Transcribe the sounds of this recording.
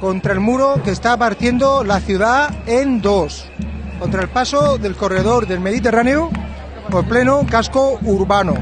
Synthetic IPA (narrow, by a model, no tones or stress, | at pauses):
ko̞nt̪ɾae̞lmuɾo̞ke̞ːst̪apaɾt̪je̞nd̪olaθjuð̞aend̪o̞s | kont̪ɾaelpasoðe̞lko̞re̞ð̞o̞ɾðe̞lme̞ðit̪e̞raneu | ople̞nokaskouɾβano̰